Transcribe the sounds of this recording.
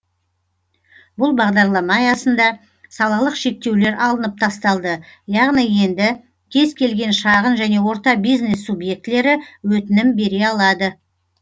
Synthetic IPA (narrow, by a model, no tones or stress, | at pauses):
bʊlˠbɑʁd̪ɑɾlˠɑmɑjɑsənd̪ɑ | sɑlˠɑlˠəqʃe̞k̚t̪e̞wle̞ɾʔɑlˠənəp̚t̪ʰɑst̪ɑlˠd̪əjɑʁnije̞nd̪ɪ | t̪ʲʰe̞zkʲʰe̞lɡʲe̞nʃɑʁənʒæne̞wo̞ɾt̪ɑbijzne̞sːubjek̚t̪ɪle̞ɾɪwɵt̪ɪnɪmbe̞ɾe̞ɑlˠɑd̪ə